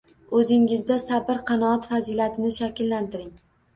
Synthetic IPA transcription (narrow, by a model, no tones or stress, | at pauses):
ɵzɪŋɪzd̪asabɪɾqʰɑnɒɒt̪fazilat̪ʰɪnɪʃakʲlːant̪ʰɪɾɪŋ